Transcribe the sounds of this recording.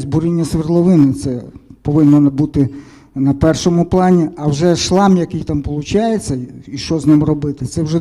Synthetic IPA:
zʲbuɾinʲːɐsʋɪrt̪lˠɔʋɪnɪt̪sɛpɔʋɪnːɔnbut̪ɪ | nɐpɛrʃɔmʊplˠɑnʲiɐwʒɛʃlˠɑmjɐkɪjt̪ɑmpɔlˠʊt͡ʃɑjet͡sʲːɐiʃt͡ʃɔznɪmrɔbɪt̪ɪt̪sɛwʒɛ

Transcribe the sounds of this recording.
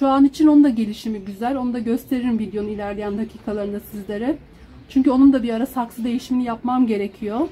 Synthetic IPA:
ʃuanit͡ʃʰinonud̪aɟe̞lʲiʃimiɟyzælʲo̞nud̪aɟø̞st̪ʰe̞ɾiɾmvid̪jo̞nuilʲæɾlʲejænhacʰiːkʰalˠaɾɯnasizlʲe̞ɾɛ | t͡ʃʰyɲcyo̞numd̪abiɾaɾasaklˠɯd̪e̞jiʃiminijapmamɟe̞ɾe̞cʰijo

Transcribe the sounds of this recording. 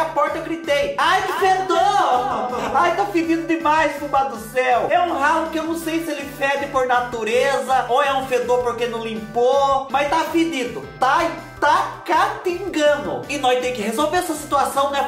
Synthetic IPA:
ɐpɔɾt̪ɐeɡɾit̪ejaj̪ɪfed̪o | ajt̪afɪd̪ĩd̪ʊd̪ɪmajskupad̪ʊsɛwɛũɦawʊkɪewnɐ̃w̃sejsɪelɪfɛd̪ɪpoɾnat̪uɾezɐʔoɛũfed̪oɾpoɾkenɐ̃w̃lĩmpomajst̪afɪd̪ĩd̪ʊt̪aɪ | t̪akat̪ĩɡɐ̃nʊ̰ɪnɔ̃t̪ẽj̃kɪhezowveɾɛsɐsi̥t̪uasɐ̃w̃nɛ

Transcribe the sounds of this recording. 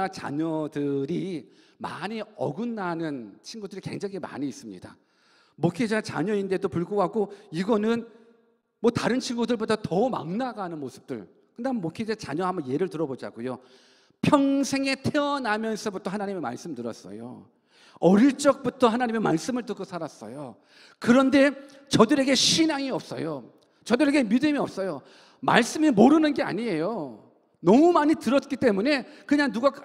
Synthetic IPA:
at͡ɕa̰ɲʌdɯɾima̰ɲiʌɡɯnːanɯnt͡ɕʰinɡudɯɾike̞̰ŋd͡ʑaŋima̰ɲiːs͈ɯmɲḭd̥a̰ | mokʰed͡ʑat͡ɕa̰ɲʌinde̞dopuɭɡoɡaɡoiɡʌnɯn | mwʌtaɾɯnt͡ɕʰinɡudɯɭbodatʌuma̰ŋnaɡanɯnmosʰɯ̥p̚t͈ɯɭ | kɯndamnmokʰed͡ʑat͡ɕa̰ɲʌɦambʌnje̞ɾɯɭtɯɾʌbod͡ʑa̰ɡojo | pʰjʌŋsʰe̞ŋe̞tʰe̞ʌnamjʌnsʰʌbutʰʌhanaɲime̞ma̰ɭs͈ɯmtɯɾʌ̰s͈ʌ̰jo̰ | ʌɾiɭt͡ɕ͈ʌk̚p͈utʰʌɦanaɲime̞maɭs͈ɯmɯɭt͈ɯk͈osʰaɾas͈ʌ̰jo̰ | kɯɾʌnde̞ | t͡ɕʌdɯɾe̞ɡe̞ɕʰinaŋiʌp̚s͈ʌ̰jo | t͡ɕʌdɯɾe̞ɡe̞midɯmiʌp̚s͈ʌjo | ma̰ɭs͈ɯmimoɾɯnɯnɡe̞a̰ɲie̞jo | nʌmumaɲitɯɾʌt̚k͈it͈e̞mune̞kɯɲaŋnuɡa

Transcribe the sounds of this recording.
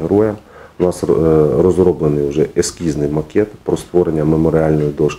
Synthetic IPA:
ɦɾɔjɐ | ʊnɑsrɔzrɔblˠenɪjʊʒɛeskʲiznɪjmɐkʲɛt̪pɾɔst̪ʋɔɾenʲːɐmemɔɾɪɑlʲnɔjid̪ɔʃ

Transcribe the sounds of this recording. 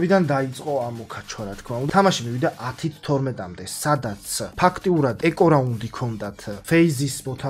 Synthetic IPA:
bid̪and̪ait̪sʼqʼɔamɔkʰat͡ʃʰwaɾat̪ʰkʰmaund̪ʰamaʃimivid̪aʔat̪ʰit̪ʰt̪ʰɔɾmɛt̪ʼamd̪ɛsad̪at̪sʰpʰakʰt̪ʼiuɾad̪ɛkʼɔɾaund̪ikʰɔnd̪at̪ʰfɛizismɔt̪ʰa

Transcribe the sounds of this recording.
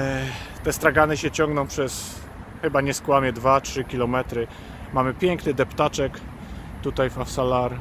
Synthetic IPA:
t̪ɛst̪ɾaɡanɘɕɛt͡ɕɔ̃ŋɡnɔ̃w̃pʂɛs | xɘbaɲɛskwamʲjɛd̪vatʂɘkʲilɔmɛt̪ɾɘ | mamɘpʲjɛŋknɘd̪ɛpt̪at͡ʂɛk | t̪ut̪ajfafsalaɾ

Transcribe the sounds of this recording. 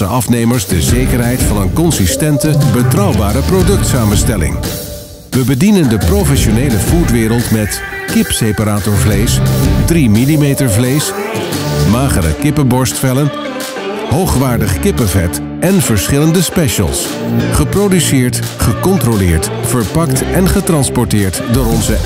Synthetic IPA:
əʔɑfnejməɹzdəzejkəɹɦɛjtfɑnənkɔnsistɛntəbətrɑwbaːɾəprodɵk̚tsaːmənstɛlɪ̰ŋ | ʋəbədinəndəprowfɛʃonejləvutʋɪːɾəlˠtmɛt | kɪpsejpaɾaːtoɹvlejsdrimilimejtəɹvlejs | maːχəɾə̰kɪpəbɔɹstfɛlən | ɦowχʋaːɹdəχkɪpəvɛ̰t | ɛnvəɹsχɪləndəspɛʃə̰lˠs | χəprodysɪːɹt | χəkɔntrolɪːɹt | fəɹpɑktɛnχətrɑnspɔɹtɪːɹtdʊːɾɔnzə

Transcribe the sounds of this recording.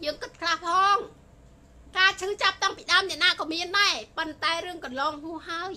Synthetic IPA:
jəːŋkɨt̪̚kʰlahpʰɑːŋ | kaːt͡ɕʰɨːt͡ɕap̚t̪aŋpiɗaəmnɛ̆ʔnaːkɔːmiənɗaɛpont̪aɛrɨəŋkɑnlɑːŋhuəhɦaəj

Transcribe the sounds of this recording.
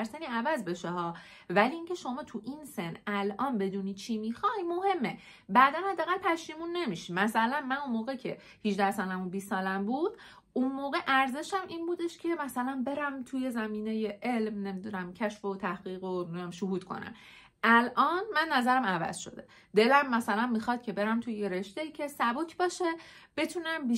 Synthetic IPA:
ɾseniːævæzbe̞ʃehɒː | væliiːŋcʰe̞ʃo̞mɒːt̪ʰuʔinsenælʔɒːnbe̞d̪uːniːt͡ʃʰimixɒjmo̞he̞mːe̞ | bæːd̪ænhæd̪ːæːɣælpʰæʃiːmunːe̞miːʃimæsælænmænunmoːɣecʰe̞ | hid͡ʒd̪æɾsɒːlhæmunbisːɒːlæmbuːd̪̥ | ʔunmoːɣeʔæɾze̞ʃæmʔinbuːd̪e̞ʃcʰe̞mæsælænbe̞ɾæmt̪ʰuje̞zæmiːneje̞ʔe̞lmne̞mid̪unæmcʰæʃfo̞t̪ʰæhɢ̥iːɣomʃohuːd̪̥kʰo̞̰næ̰m | ʔælʔɒːnmænːæzæɾæmævæ̰z̥ʃo̞̰d̪e̞ | d̪e̞læmːæsælæmːixɒd̪̥̚kcʰe̞be̞ɾæmt̪ʰujjeɾe̞ʃt̪eiːcʰe̞sæbocʰbɒːʃeb̥e̞t̪ʰunæmbi

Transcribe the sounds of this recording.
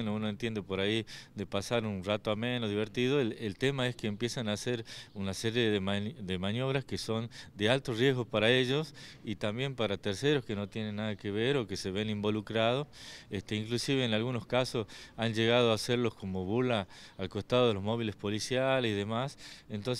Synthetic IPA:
nounoent̪je̞nd̪epoɾaiðe̞pasaɾunrat̪oamenoðiβ̞eɾt̪iðoelt̪e̞mae̞skeːmpje̞sanaseɾunaseɾje̞ðemanðemanjo̞β̞ɾaskeso̞nd̪ealt̪orje̞zɣo̞paɾae̞ʒosit̪ambje̞mpaɾat̪eɾseɾoske̞no̞t̪jene̞nːaðakeβ̞eɾo̞kese̞βe̞nimbo̞lukɾað̞osest̪eiŋklusiβeːnalɣuno̞skasosanʒe̞ɣ̞aðoaseɾlo̞sko̞moβulaː | lko̞st̪að̞o̞ð̞elo̞zmo̞β̞ile̞spo̞lisjalesiðe̞masent̪ons

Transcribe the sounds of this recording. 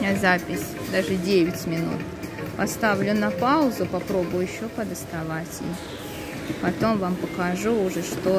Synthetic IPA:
azapʲɪsʲ | d̪aʐɨdʲevʲɪtʲmʲɪnṵt̪ | pɐst̪avlʲʊnɐpaʊzʊpɐpɾo̞bʊjʊjɪɕːo̞pəd̪əst̪ɐvatʲɪ̰ | pɐt̪o̞mvampəkɐʐuːʐɛʂt̪o

